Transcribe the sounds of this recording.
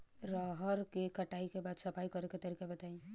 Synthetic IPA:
ɾaɦəɾkekɐʈaːikebaːd̪sɐpʰaikəɾeket̪ɐɾiːkebɐt̪aĩ

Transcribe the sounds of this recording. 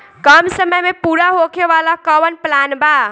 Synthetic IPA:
kʌmsəməjmepuɽaɦokʰeβalakʌwənplanba

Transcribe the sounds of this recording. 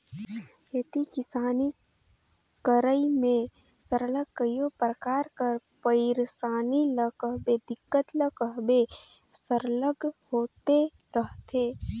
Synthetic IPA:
jet̪ikɪsaːni | kəɾəimẽ | səɾləɡkəjopɾəkaːɾkəɾpəɪɾsaːniləkəɦbed̪ɪkːət̪ləkəɦbe | səɾləɡhoːt̪e | ɾəɦt̪eː

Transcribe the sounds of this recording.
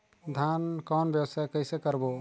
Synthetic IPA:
d̪ʱankɔːnbjəbsajkəjsekəɾbo

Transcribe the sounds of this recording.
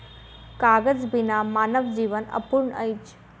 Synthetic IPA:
kaɡəd͡zbinamaːnəʋd͡ʑiːʋənə̰puɾɳə̰jt͡ʃ

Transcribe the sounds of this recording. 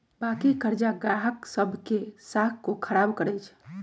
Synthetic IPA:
bakikəɾd͡ʒaɡaɦəksəbʱkesakkːokʰəɾabkəɾət͡ʃʰ

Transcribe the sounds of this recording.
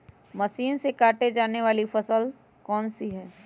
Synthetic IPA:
mɐsiːnsekaːʈed͡ʒaːneʋaːlifɐsəl | kɔːnsiɦɛː

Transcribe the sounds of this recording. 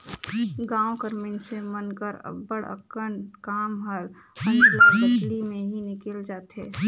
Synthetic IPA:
ɡãːõkəɾminsemənkəɾə̰bːəɽə̰kənkaːmɦəl | ə̃nd̪ləbətlimẽɦinɪkəld͡ʒaːt̪ɦɛː

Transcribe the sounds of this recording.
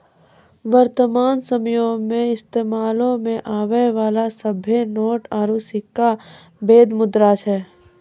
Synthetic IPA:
ʋəɾt̪əmaːnsəmjõmẽɪst̪eːmaːlõmẽʔaːʋeʋaːlasəbʱenoːʈaːɾusɪkːa | beːd̪mʊd̪ɾat͡ʃʰɛː

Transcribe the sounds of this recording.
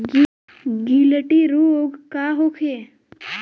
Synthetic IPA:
ɡi | ɡiləʈiɾuoɡkaɦokʰe

